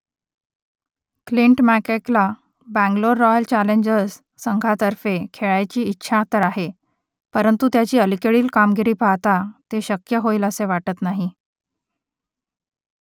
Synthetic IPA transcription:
kliɳʈmækekla | bæ̃ŋɡloɾːɔjəlt͡ɕæleɲd͡ʑəsː | əŋɡʱat̪əɾfekʰeɭajt͡ɕiːtːɕʰat̪əɾaɦe | pəɾənt̪ut̪jat͡ɕiːəlikeɭiːlkamɡiɾiːpat̪at̪eɕəkjəɦoiːləseʋaʈət̪naɦi

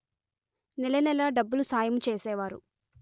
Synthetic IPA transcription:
nɛlɐnɛlɐɖɐbːulusaːjɐmut͡ʃeːsɛːʋaːɾṵ

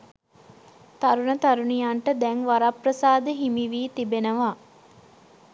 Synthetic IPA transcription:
t̪aɾunət̪aɾunijaɳʈəd̪ɛŋʋaɾaprəsaːd̪əɦimiʋiːt̪ibenəʋa

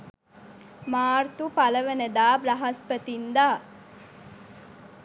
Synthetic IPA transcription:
maːrt̪upaləʋenəd̪aːbrɐɦɐspət̪ind̪aː

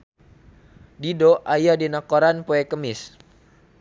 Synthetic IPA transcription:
didoʔajadinakoɾanpoɛkəmɪs

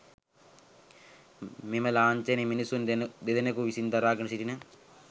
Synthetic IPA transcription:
mimɐlaːnt͡ʃeniminisund̪d̪ed̪ɐnɐkuʋisind̪ɐɾaːɡɐnɐsiʈinɨ

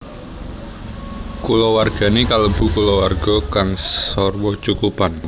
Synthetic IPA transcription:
kulɔwarɡ̥ä̤nekaləb̥ṳkulɔwarɡ̥ɔ̤kaŋssɔrwɔt͡ʃukupan

